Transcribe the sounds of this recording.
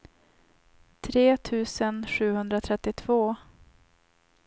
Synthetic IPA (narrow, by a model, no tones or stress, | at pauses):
t̪ʰɾeːt̪ʰʉ̟ːsənɧʉ̟ːhɵnd̪ɾat̪ʰɾɛt̪ːɪt̪ʰv̥oː